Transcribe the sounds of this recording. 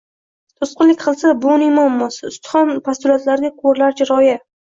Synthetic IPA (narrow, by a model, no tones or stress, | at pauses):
t̪ʰʊsqɨnlɪkʲqʰɨlˠsabʊnɪmɒmːɒsaʊst̪ɪ̥χɒnpʰast̪ʊlat̪laɾɡ̪ʲaqʰoɾlaɾd͡ʒʰɪɾɒja